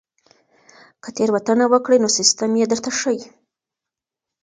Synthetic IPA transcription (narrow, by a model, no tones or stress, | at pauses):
kət̪eɾwat̪ənawəkɽəjnosɪst̪amjed̪əɾt̪aʂəji